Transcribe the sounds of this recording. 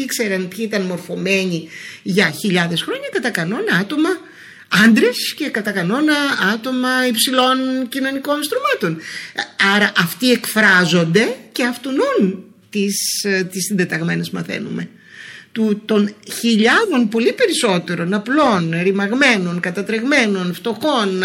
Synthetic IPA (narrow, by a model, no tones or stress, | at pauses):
ikse̞ɾɐnpçiit̪ɐnmo̞ɾfo̞me̞ɲiʝɐçiʎɐðe̞sxɾo̞ɲɐkɐt̪ɐkɐno̞nɐɐt̪o̞mɐ | ɐnd̪ɾe̞sce̞kɐt̪ɐkɐno̞nɐɐt̪o̞mɐipsilo̞ncino̞niko̞nst̪ɾumɐt̪o̞nɐɾɐʔɐft̪ie̞kfɾɐzo̞nd̪e̞ce̞ɐft̪onun | t̪ist̪isind̪et̪ɐɣme̞nespumɐθe̞̰nume̞ | t̪ut̪o̞nçiʎɐðo̞npo̞lipe̞ɾiso̞t̪e̞ɾo̞nɐplo̞nɾimɐɣme̞no̞nkɐt̪ɐt̪ɾe̞ɣme̞no̞nft̪o̞xo̞n